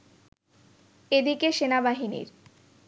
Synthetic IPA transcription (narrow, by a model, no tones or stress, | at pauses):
ed̪ikeʃenabaɦinḭɾ